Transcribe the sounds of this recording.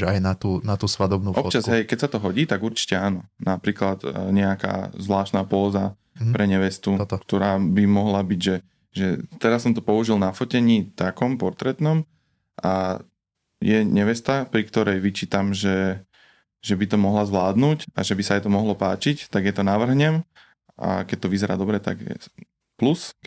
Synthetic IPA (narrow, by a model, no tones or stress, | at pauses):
ajnat̪uːnat̪uːsʋad̪ɔbnuːɔpt͡ʃazɦɛjkɛcsat̪ɔɦɔɟiːt̪aɡuɾt͡ʃi̥cɛaːnɔnapɾiːklat̪ɲɛaka̰ːzʋlaːʃt̪naːpɔːza | pɾʔɛɲɛʋɛst̪ukt̪ɔɾaːbimɔɦlabiɟʒɛ | ʒɛt̪ɛɾasːɔmt̪ɔpɔuʒilnafɔcɛɲiːt̪akɔmpɔɾt̪ɾɛt̪nɔm | ʔa | jɛɲɛʋɛst̪apɾikt̪ɔɾɛjʋit͡ʃiːt̪amʒɛ | ʒɛbit̪ɔmɔɦlazʋlaːd̪nuːca̰ʒɛbisaajt̪ɔmɔɦlɔpaːt͡ʃict̪aɡjɛt̪ɔnaʋr̩ɦɲɛm | ʔa̰kɛc̚t̪ɔʋizɛɾaːd̪ɔbɾɛt̪a̰ɡ̰ | plus